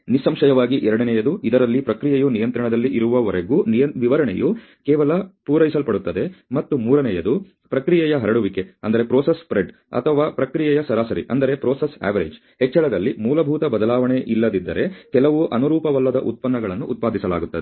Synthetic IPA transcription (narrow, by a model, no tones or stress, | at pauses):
nisɐmʂɐjɐʋaːɡiʔɛɾɐɽɐnɛjɐd̪uid̪ɐɾɐlːipɾɐkɾijɐjunijɐnt̪ɾɐɳɐd̪ɐlːiʔiɾuʋɐʋɐɾeɡuːnijɐʋiʋɐɾɐɳḛju | kɛːʋɐlɐpuːɾɐjisɐlpɐɽut̪ːɐd̪e̞mɐt̪ːumuːɾɐnɛjɐd̪u | pɾɐkɾijɛjɐɦɐɾɐɽuʋike̞ɐnd̪ɐɾepɾɔːsespɾeɖ | ɐ̰t̪ʰɐʋaːpɾɐkɾijɛjɐsɐɾaːsɐɾḭʔɐ̰nd̪ɐɾe̞pɾoːsesa̰ːʋɐɾḛd͡ʒ | hɛt͡ʃːɐɭɐd̪ɐlːimuːlɐbʱuːt̪ɐbɐd̪ɐlaːʋɐɳe̞ʔilːɐd̪id̪ːɐ̰ɾe̞kɛlɐʋuʔɐnuɾuːpɐʋɐlːɐd̪ɐʔut̪̚pɐnːɐɡɐɭɐnːuʔːt̪̚paːd̪ʱisɐla̰ːɡut̪ːɐd̪e